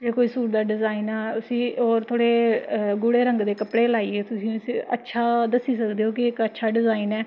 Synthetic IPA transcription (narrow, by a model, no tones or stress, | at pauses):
d͡ʒeːkoːiːsuːɾd̪aːɖɪzaːiːnaːt̪ʊsĩːoːɾt̪ʰoːɽeːɡʊɽeːɾə̃ŋɡd̪eːkəpɽeːlaːiːeːt̪ʊsĩːsiə̰tːʃʰaːd̪əsːiːs̬əkd̪eːɦoːkɪɪkətːʃʰaːɖɪzaːiːnɛː